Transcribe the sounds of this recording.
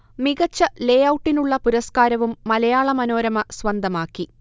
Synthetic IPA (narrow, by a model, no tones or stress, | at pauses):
miɣɐt͡ɕːɐlejɐwuʈːinuɭːɐpuɾɐskaːɾɐʋumːɐlɐjaːɭɐmɐno̞ːɾɐmɐsʋɐnd̪ʱɐmaːkːi